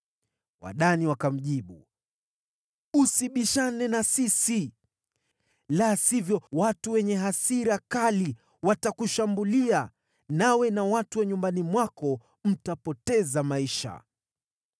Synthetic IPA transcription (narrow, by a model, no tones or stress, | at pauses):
wa̰ɗaniwakam̩ʄiɓu | usiɓiʃanɛnasisi | lasivjɔwatuwɛɲɛɦasiɾakali | watakuʃambulia | nawɛnawatuwɛɲumbanimwakɔ | m̩tapɔtɛzamaiʃa̰